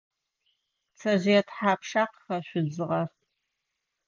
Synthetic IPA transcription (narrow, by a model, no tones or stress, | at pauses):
t͡sʰɐʑɪɛtħaːpʰʂaːqxɐʃʷʊd͡zɨʁɐr